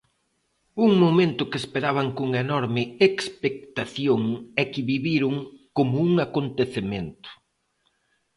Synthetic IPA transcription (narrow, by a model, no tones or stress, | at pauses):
uŋmomẽnt̪ʊkespeɾaβaŋkoŋenɔɾmɪekspek̚t̪aθjoŋɛkɪβiβiɾʊŋkomʊuŋakont̪eθement̪ʊ̥